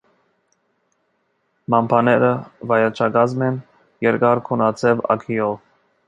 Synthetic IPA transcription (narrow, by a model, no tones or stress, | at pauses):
mɑmpʰɑnɛɾəvɑjɑt͡ʃʰɑɡɑzmɛn | jɛɾkɑɾkʰɔnɑt͡sʰɛvɑ̰kʰiɔv